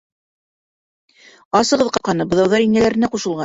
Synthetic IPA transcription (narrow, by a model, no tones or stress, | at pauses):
ɑsɤ̆ʁɤ̆ðqɑqɑnɤbɤ̆ðɑwðɑɾiŋælæɾɘ̆næquʃɤ̆lˠʁɑ